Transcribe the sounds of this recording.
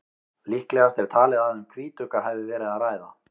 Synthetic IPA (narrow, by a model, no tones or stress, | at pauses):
lihklɛɣast̪ɛɾ̥t̪ʰaːlɪðaɛʏmkʰviːt̪ʏkaɦɛvɪvɛːɾɪðaðraːjða